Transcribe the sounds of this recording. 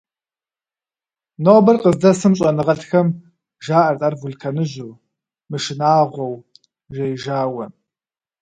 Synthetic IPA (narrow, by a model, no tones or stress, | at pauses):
nobɐrqʼəzdɐsɨmɕʼɐnɨʁɐtxɐm | ʒaːʔɐrt̪ʼɐrvulkʰɐnɨʑuw | mɨʃɪnaːʁʷɔw | ʒejʒaːwɐ